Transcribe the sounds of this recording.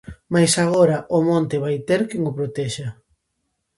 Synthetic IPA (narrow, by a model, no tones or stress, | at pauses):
majsaɣoɾɐʔʊmõnt̪eβajt̪eɾkeŋʊpɾot̪ɛʃa